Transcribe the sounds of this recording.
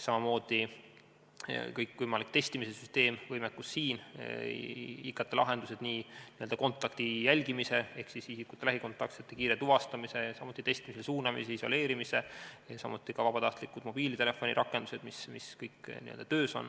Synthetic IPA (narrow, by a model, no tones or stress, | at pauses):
sɑmɑmo̞ːd̪̥i | kɤjkːˑvɤjmɑlik̚t̪e̞st̪imisesyst̪e̞ːmvɤjmekːˑusːiːn | ikːɑt̪ˑːelʔɑɦe̞nd̪̥use̞d̪̥niːniø̞ld̪ɑko̞nt̪ːˑɑkt̪ijælʲɡimise̞e̞hksisisikːut̪ːˑelæɦiko̞nt̪ːˑɑkt̪set̪ːˑekiːɾet̪uvɑst̪ɑmise̞jɑsɑmut̪ːˑit̪e̞st̪imisesuːnɑmise̞iso̞̰le̞ːɾimise̞jɑsɑmut̪ːˑikɑvɑb̥ɑt̪ɑht̪likːud̪̥mo̞b̥iːlit̪e̞le̞fːo̞nʲḭɾʔɑkːˑe̞nd̪use̞d̪̥mismiskɤjkːnḭø̰ld̪ɑt̪øːso̞̰n